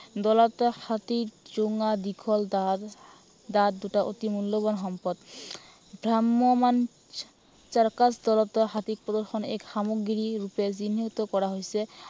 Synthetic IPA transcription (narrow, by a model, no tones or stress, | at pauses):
d̪ɔlat̪ɔxat̪ikd͡ʑoŋad̪ikʰɔl | d̪ad̪d̪uʈaʔo̰t̪imulːoβanɦɔmpɔd̪ | bʱɾamːoman | t͡ɕaɾkasd̪ɔlɔt̪ɔxat̪ik̚pɾɔd̪ɔɾxʰɔnɛ̰kʃamoɡɾiɾuped͡ʑinːit̪okɔɾaɦojsʰe